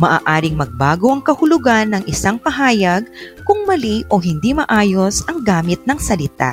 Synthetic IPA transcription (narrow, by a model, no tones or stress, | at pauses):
mɐʔa̰ːʔaːɾɪŋmɐɡ̚baːɡo̞ʔɐŋkɐhʊlʊɡanːɐŋʔɪsaŋpɐɦaːjɐɡ̚kʊŋmɐliʔoɦɪnd̪imɐʔaːjosɐŋɡaːmɪt̪̚nɐŋsɐlɪt̪a̰